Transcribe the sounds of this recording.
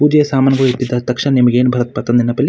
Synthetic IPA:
puːd͡ʒɐjɐsaːmaːnɐɡɐʋet̪ːid̪ɐt̪ɐkʂɐnɐnemɐɡeːnbʱɐɾɐt̪̚pɐt̪ɐnd̪inːɐpɐlʲːi

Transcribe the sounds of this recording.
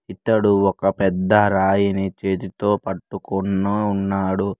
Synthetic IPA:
it̪ːɐɽuɔkɐpɛd̪ːɐɾaːjinit͡ʃeːt̪it̪o̞ːpɐʈːukunːɐunːaːɽu

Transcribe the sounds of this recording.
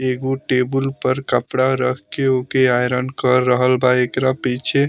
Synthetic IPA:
eɡoʈebulpəɾkəpɽaɾəkʰkeokeajɾənkəɾːəɦəlbaekɾapit͡ʃʰe

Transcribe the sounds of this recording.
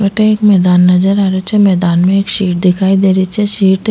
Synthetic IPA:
ɛʈeeːkmɛːd̪aːnːɐd͡ʒəɾaːɾot͡ʃʰɛmɛːd̪aːnmẽeːkʃiːʈ̚d̪ɪkʰaːid̪eːɾit͡ʃʰɛʃiːʈ

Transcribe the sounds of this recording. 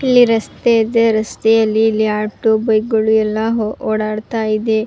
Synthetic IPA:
ilːiɾɐst̪ed̪eɾɐst̪ɛjɐlːiːlːiaːʈubɐjɡɐɭuɛlːɐɦoːɽaːɽt̪aːjid̪e

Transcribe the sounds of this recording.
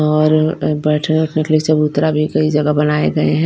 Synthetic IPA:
ɔːɾbɛːʈʰənʊʈʰnekeliesɐbʊt̪ːɾabʱikɐid͡ʒɐɡabɐnaːḛɡɐḛɦɛ̃

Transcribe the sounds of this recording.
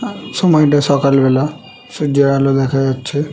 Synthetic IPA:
sɔmɔjʈasɔkalbɛla | sud͡ʒaalod̪ɛkʰajaːt͡ʃʰɛ

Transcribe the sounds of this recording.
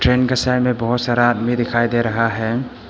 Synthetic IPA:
tɾenɡʰasajmebɔɦɔsɐɾat̚midikʰajdeɾɐɦaɦeŋ

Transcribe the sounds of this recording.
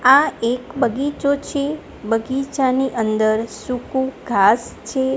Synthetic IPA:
aekbəɡit͡ʃot͡ʃʰe | bəɡit͡ʃaniʔənd̪əɾsukũɡʱast͡ʃʰe

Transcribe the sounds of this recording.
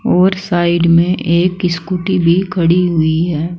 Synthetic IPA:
ɔːɾsaːɪɖmẽʔeːkɪskuːʈibʱikʰɐɽiɦʊiɦɛː

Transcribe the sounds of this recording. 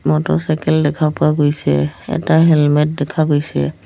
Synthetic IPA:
mɔtɔsajkɛldɛkʰapʊaɡojsɛ̰ɛ̰taɦɛlmɛt̚dɛkʰaɡojsɛ̰

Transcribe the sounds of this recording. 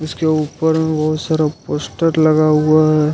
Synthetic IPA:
ʊskeuːpəɾmẽbɐɦʊt̪saːɾapoːsʈəɾlɐɡaɦuaɦɛ

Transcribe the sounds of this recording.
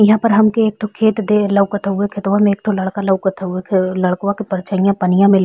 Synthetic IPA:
jɐɦãːpɐɾɦɐmkeeːk̚t̪ʰokʰeːt̪d̪elɐwkɐt̪ʰaɦuekʰet̪ʋamẽːk̚t̪ʰolɐɽkalɐwkɐt̪ʰaɦuekʰlɐɭkwãkipɐɾt͡ʃaijãpɐnɪjãmẽl

